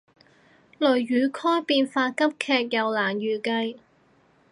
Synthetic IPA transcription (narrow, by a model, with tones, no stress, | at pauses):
lɵ˨˩ɥjyː˨˧˥kʰɔː˥jpiː˧nfaː˧kɐ˥p̚kʰɛː˧k̚jɐ˨wlaː˨˩njyː˨˩kɐ˧j